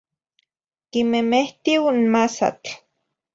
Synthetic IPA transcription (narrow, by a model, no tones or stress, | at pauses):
kimemeht̪iwnmasa̰t͡ɬ